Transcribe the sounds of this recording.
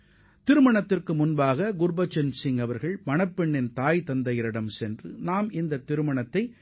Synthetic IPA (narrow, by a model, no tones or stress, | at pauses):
t̪ɪɾɯmɐɳɐt̪ːɪrkɯmʊnbaːɣɐɡʊɾbɐt͡ʃːɛnsɪŋɐʋɐɾɣɐɭmɐnɐpːɛɳːɪnt̪aːjt̪ɐnd̪ɐjɪɾɪɽɐmsɛndrɯnaːmɪnd̪ɐt̪ːɪɾɯmɐɳɐt̪ːɐɪ